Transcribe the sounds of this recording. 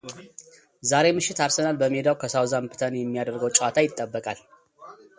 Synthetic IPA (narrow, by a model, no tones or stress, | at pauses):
zaɾe̞mɨʃːɪt̪aɾsənalbəmed̪awkʰəsawzampʰɨ̥t̪ʰənjɛmːijad̪əɾɡəwt͡ʃʼwat̪ʰajɪt̪ʼːəbːəkʼal